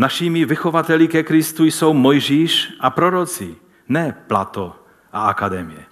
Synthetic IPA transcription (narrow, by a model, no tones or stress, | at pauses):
naʃimivɪxovat̪ɛlikɛkɾɪst̪ujsowmojʒiːʃʔapɾoɾot͡si | nɛːplat̪o | ʔaakad̪ɛmijɛ